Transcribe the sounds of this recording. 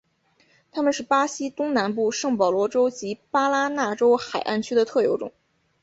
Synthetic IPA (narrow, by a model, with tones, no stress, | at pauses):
t̪ʰa˥mə˨nʂɻ̩˥˩pa˥ɕi˥t̪ʊ˥ŋna˧˥np̬u˥˧ʂɤ˥˩ŋpɑ˨˩ʊlwɔ˧˥ʈ͡ʂo˥ʊt͡ɕi˧˥pa˥la˥na˥˩ʈ͡ʂo˥ʊxa˨˩ɪʔa̰˥˩nt͡ɕʰy˥d̪ə˨t̪ʰɤ˥˩jo˧˥ʊʈ͡ʂʊ̰˨˩˦ŋ